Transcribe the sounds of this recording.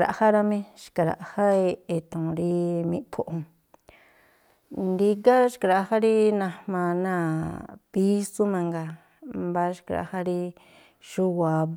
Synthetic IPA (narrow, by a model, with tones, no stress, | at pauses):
ɾa̰˧ʔha˦ɾa˧mẽ˦ʃi̥˨ka˨˧ɾa̰˨ʔha˦e˧e˨t̪õ˨ɾi˦mĩ˧˦pʰo˨ʔo˧ | nd̪i˧ka˦ʃka˧ɾa˧ha˦ɾi˦nã˧mã˧nã˦˧pi˦su˦mã˧ŋɡa˧ | mba˧ʃi̥˧ka˧ɾa̰˧˨ha˦ɾi˧ | ʃu˦wa˨˧